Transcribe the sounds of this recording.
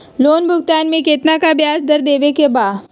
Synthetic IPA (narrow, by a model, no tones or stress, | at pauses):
loːnbʱʊɡt̪aːnmẽkeːt̪nakabjaːsd̪əɾd̪eːʋekebaː